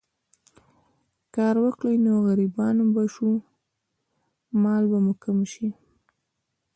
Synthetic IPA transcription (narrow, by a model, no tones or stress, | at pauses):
kɑɾwakɽajnoɣaɾibɑnbaʃu | mɑlbamʊkamʃi